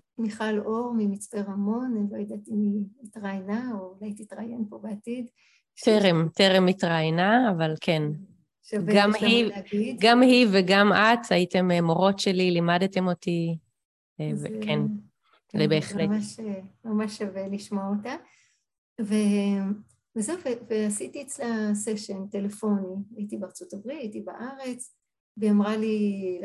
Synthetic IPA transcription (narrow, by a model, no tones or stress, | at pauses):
miχaloʁmimit͡sbeʁamo̞nlojad̪atimiitʁajnaoulajt̪itʁajenpobeatid̪ | teʁemteʁemitʁajnaːvalkʰen | ʃavɡamhiɡidɡamhiveɡamataite̞memo̞ʁo̞tʃelilimadte̞mo̞ti | vekʰen | lebe̞ːχleaʃmamaʃaveliʃmoota | ve | vezewveveasitiet͡slaseʃentelefo̞niaitibeaʁt͡sotabʁitaitibaʔaʁe̞t͡s | veamʁali